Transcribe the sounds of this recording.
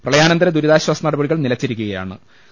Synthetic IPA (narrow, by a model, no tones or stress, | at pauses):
prɐɭɐjaːnɐnd̪ɐɾɐd̪uɾuðaːɕwaːsɐnɐɽɐbɐɽiɣɐɭnilɐt͡ɕːiɾikʲːuɣɐja̰ːɳɨ̰